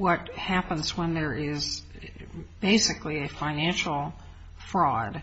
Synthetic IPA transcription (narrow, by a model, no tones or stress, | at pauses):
wʌt̚hæpə̃nzwə̃nðə˞ʔɪz | b̥eɪsɨkliɨfãɪ̃næ̃nʃl̩ˠ | fɹɔd̥